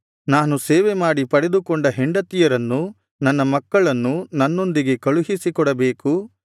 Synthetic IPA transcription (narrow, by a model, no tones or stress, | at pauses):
naːnuseːʋemaːɽipɐɽed̪ukɔɳɖɐɦeɳɖɐt̪ijɐɾɐnːu | nɐnːɐmɐkːɐɭɐnːunɐnːo̞nd̪iɡe̞kɐɭuɦisikɔɽɐbe̞ːku